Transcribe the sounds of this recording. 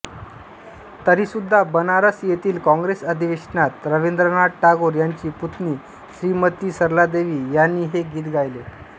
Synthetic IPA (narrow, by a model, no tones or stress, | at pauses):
t̪əɾiːsud̪ʱːabənaɾəsjet̪iːlkɔ̃ŋɡɾesəd̪ʱiʋeʂnat̪ɾəʋend̪ɾənaɽʈaɡoɾjaɲt͡ɕiːput̪niː | ɕɾiːmət̪iːsəɾlad̪eʋiːjanːiːɦeɡiːt̪ɡʱajle